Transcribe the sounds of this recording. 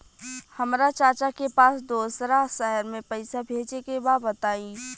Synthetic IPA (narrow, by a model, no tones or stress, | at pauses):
həmɾat͡ʃaːɾt͡ʃakepaːsd̪oːsɾasəɦəɾmẽpəɪsabʱeːd͡ʒekebabət̪aːĩ